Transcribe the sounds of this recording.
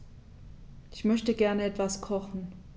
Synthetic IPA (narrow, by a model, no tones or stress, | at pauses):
ʔɪçmœçtəɡɛɐnəɛtv̥askʰɔχn̩